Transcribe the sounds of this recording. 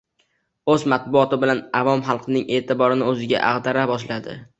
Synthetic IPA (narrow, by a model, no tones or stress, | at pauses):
ɵzmat̪̚bʊɒt̪ɪbɪlanavɒmχɑlˠqʰɨnɪŋe̞ːt̪ʰɪbɒɾɪnɪɵzɪɡʲa̰ʔa̰ʁd̪aɾabɒʃlad̪ɪ̰